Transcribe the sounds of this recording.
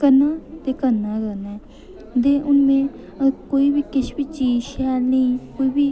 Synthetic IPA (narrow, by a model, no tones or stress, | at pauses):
kəɾnãːt̪eːkənːaːkənɛː | d̪eːʔʊnmẽː | koːiːbiːkɪʃbiːt͡ʃiːd͡ʒʃaːlnəĩːkoːiːbiː